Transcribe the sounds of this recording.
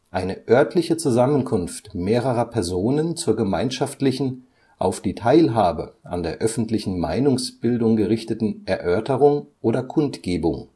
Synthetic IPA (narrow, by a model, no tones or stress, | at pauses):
ʔaɪnəʔœɐtʰlɪçət͡suzamənkʰʊnftmeːʁəʁɐpʰɛɐzoːnənt͡suːɐɡəmaɪnʃaftlɪçn̩ | ʔaʊfd̥iːtʰaɪlɦaːbəa̰ndeːɐʔœfn̩tlɪçn̩ma̰ɪnʊŋsb̥ɪldʊŋɡəʁɪçtətn̩ʔɛɐʔœɐtəʁʊŋʔoːɾɐkʰʊntɡ̥eːbʊŋ